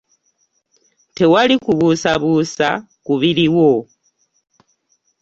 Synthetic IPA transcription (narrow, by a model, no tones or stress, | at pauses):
tewalikuβusaβusa̰ | kuβiliwo